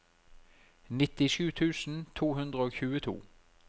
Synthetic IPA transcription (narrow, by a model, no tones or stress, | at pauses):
nɪt̪ɪʃʉːt̪ʰʉːsn̩t̪ʰuːhʉnd̪ʁəoːçʉːət̪ʰṵː